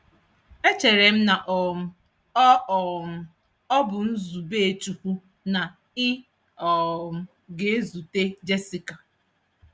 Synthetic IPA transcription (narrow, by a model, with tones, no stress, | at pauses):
e˦t͡ʃe˨ɾe˨m̩˦na˨ʔɔ˨ʊ˨ | ɔ˦ɔ˨m̩˨ | ɔ˦bʊ˨n̩˦zu˨be˦˨e˦˨tu˨hu˦ | na˨ | ɪ˦ | ɔ˨m̩˨ | ɡe˨e˦zu˨te˦d͡ʒe˦si˨ka˨